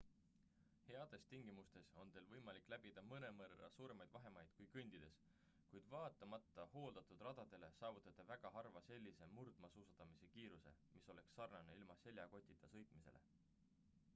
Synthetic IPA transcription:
he̞ɑd̪̥e̞st̪iŋɡ̥imust̪e̞so̞nt̪e̞ːlvɤjmɑlikːˑlæbid̪ɑmɤne̞mɤɾɑ̰suːɾe̞mɑjd̪̥vɑɦe̞mɑjd̪̥kujkɯnʲd̪̥id̪e̞s | kujd̪̥vɑːt̪ːˑɑmɑt̪ːˑɑho̞ːld̪̥ɑt̪ˑud̪̥rɑd̪̥ɑd̪̥e̞le̞sɑːvut̪ːˑɑt̪ːˑɑvæɡ̥ɑɦɑrvɑse̞lʲːise̞murd̪̥mɑsuːsɑt̪ːɑmise̞kiːɾuse̞̰miso̞le̞ksːɑrnɑneilmɑse̞lʲjɑko̞t̪ʲˑːit̪ːˑɑsɤ̞jt̪ˑmise̞̰lʔḛ

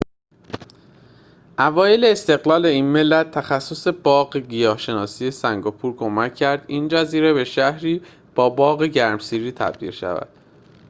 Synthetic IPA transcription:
ʔævɒːje̞leːst̪e̞ɣlɒːle̞iːnme̞lːæt̪̚ʰːæxæsːo̞se̞bɒːɢɡijɒːhʃe̞nɒːsiːje̞sæŋɡɒpʰuːɾkʰo̞mæcʰːæɾd̪iːnd͡ʒæziːɾe̞be̞ʃæhɾiː | b̥ɒːbɒːɣeɟæɾmsiːɾiːt̪ʰæ̰b̥d̪ḭːlʃæ̰væ̰d̪̥

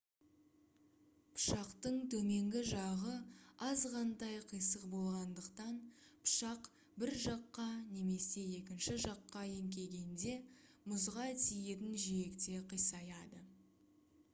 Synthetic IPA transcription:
pʰʊ̥ʃɑqt̪əɴt̪ʰɵme̞ŋɡʲɪʒɑʁəɑzqʰɑnd̪ɑjqʰəjsəqbo̞lˠʁɑnd̪əqt̪ɑnpʰʊ̥ʃɑq | bɪɾʒɑqːɑne̞me̞se̞je̞kʲɪnʃɪʒɑqːɑe̞ŋkʲe̞ɡʲe̞nd̪e̞ | mʊzʁɑt̪ʰije̞t̪ɪnʒiekt̪e̞qʰəjsɑjɑd̪ə

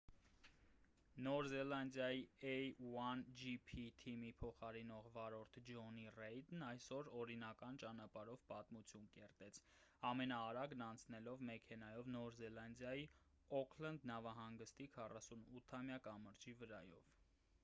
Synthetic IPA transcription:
nɔɾzɛlɑnd̪jɑjiɛjwɑnd͡ʒipʰit̪ʰimipʰɔχɑɾinɔʁvɑɾɔɾt̪ʰd͡ʒɔnirɛjd̪nɑjsɔɾɔɾinɑkɑnt͡ʃɑnɑpɑɾɔvpɑt̪mut͡sʰjunkɛɾt̪ɛt͡sʰ | ɑmɛnɑːɾɑɡnɑnt͡sʰnɛlɔvmɛkʰɛnɑjɔvnɔɾzɛlɑnd̪jɑji | ɔkʰlənd̪nɑvɑɦɑŋɡəst̪ikʰɑrɑsunut̪ʰːɑmjɑkɑməɾt͡ʃʰivəɾɑjɔ̰v

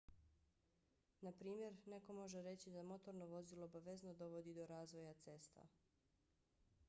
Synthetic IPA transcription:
napɾiːmje̞ɾne̞ko̞mo̞ʒeɾe̞t͡ɕid̪amo̞t̪o̞ɾno̞ʋo̞zilˠoːbaʋeznod̪o̞ʋod̪id̪o̞ɾaːzʋo̞jat̪se̞st̪a̰

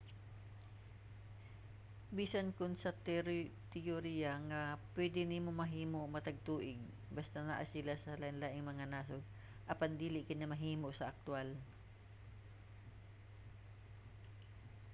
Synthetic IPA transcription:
biːsɐnkʊnsɐt̪ɾt̪ɛoɾijɐŋɐpwɛd̪ɪnɪmomɐɦiːmoʔmɐt̪ɐɡ̚t̪uːʔɪɡ̚ | bast̪ana̰ːʔasɪlasɐlanlaːʔɪŋmɐŋanaːsoɡ̚ | ʔɐpand̪iːlɪʔkɪnːɐmɐɦiːmoʔsɐʔɐk̚t̪ʊal

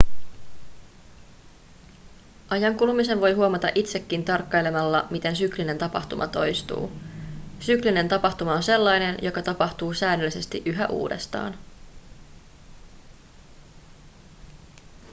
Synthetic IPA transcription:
ʔɑjɑŋkulmise̞nʋo̞jɦuomɑt̪ɑ̰ʔit̪se̞kːint̪ɑrkːɑjle̞mɑlːɑmit̪e̞nsykline̞nt̪ɑpɑ̰ht̪umʔɑ̰t̪o̞jst̪ṵː | sykline̞nt̪ɑpɑht̪umɑonse̞lːɑjne̞njo̞kɑt̪ɑpɑht̪uːsæːnːølːise̞st̪iʔyɦæʔṵːde̞̰st̪ɑ̰ːn

